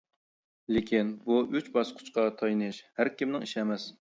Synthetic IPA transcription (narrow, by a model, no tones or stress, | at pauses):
lekʲinbuyt͡ʃbɑsqʰʊ̥t͡ʃqɑt̪ʰɑjnɨʃhæɾkʲimnɪŋiʃɛmɛs